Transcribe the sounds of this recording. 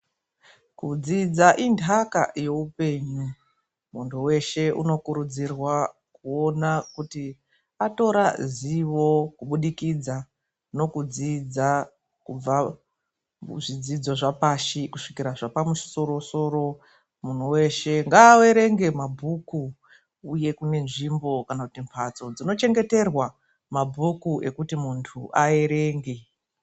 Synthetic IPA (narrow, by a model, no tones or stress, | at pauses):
kud͡zid͡zaʔindaka̰je̞upe̞ːɲu | muntʰuwe̞ʃe̞ʔṵno̞kuɾud͡zirwakuo̞nakuti | ato̞ɾaziʋo̞kuɓuɗikid͡za | no̞kud͡zid͡za | kub͡va | ʐid͡zid͡zo̞ʐapaʃikuʂikiɾaʐapamuʃi̥so̞ɾo̞so̞ɾo̞ | mun̤uwe̞ʃe̞ŋɡaːwe̞ɾe̞ŋɡe̞mabʱuku | uje̞kune̞nʐimbo̞kanakutimpʰat͡so̞d͡zino̞t͡ʃe̞ŋɡe̞te̞rwa | mabʱukuʔe̞kutimuntʰuʔae̞ɾe̞ːŋɡe